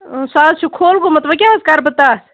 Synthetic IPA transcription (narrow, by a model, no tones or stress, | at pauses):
saːzt͡ʃʰukʰoːlkomɐt̪lɐk̬jaːɐskaːɾbɐt̪aːs